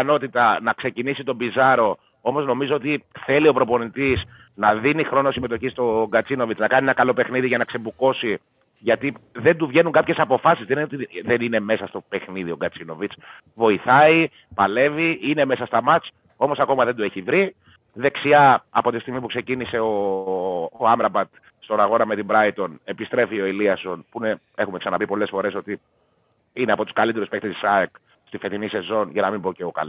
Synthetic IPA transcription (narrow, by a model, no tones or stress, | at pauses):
no̞t̪it̪ɐnɐkse̞cinisit̪o̞bizɐɾo̞ | o̞mo̞zno̞mizoot̪̬iθe̞lio̞pɾo̞po̞nit̪is | nɐðinixɾo̞nosime̞t̪̬o̞çist̪o̞ɡɐt͡sino̞vit͡snɐkɐnienɐkɐlo̞pe̞xniðiʝɐnɐksebuko̞si | ʝɐt̪iðe̞nd̪uvʝe̞nuŋkɐpçe̞sɐpo̞fɐsizðeninot̪iðe̞nine̞me̞sɐst̪o̞pe̞xniðio̞ɡɐt͡sino̞vit͡s | vo̞iθɐi | pɐle̞viine̞me̞sɐst̪ɐmɐt͡s | o̞mo̞sɐko̞mɐðe̞nd̪ue̞çivɾi | ðe̞ksiɐɐpo̞t̪ist̪iɣmisp̬ukse̞cinise̞oː | ɐmɾɐbɐt̪ | st̪o̞nɐɣo̞nɐme̞t̪imbɾɐit̪o̞ne̞pist̪ɾe̞fio̞iliɐso̞npune | e̞xumeksɐnɐpipo̞le̞sfo̞ɾe̞so̞t̪i | ineɐpo̞t̪u̥skɐlit̪eɾuspekt̪et̪i̥sɐek | st̪ifet̪inise̞zo̞nʝɐnɐmimboce̞okɐ̰l